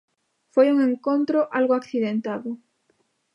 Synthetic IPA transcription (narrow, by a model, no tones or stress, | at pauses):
fojuŋẽŋkont̪ɾoʔalɣoakθiðent̪aðʊ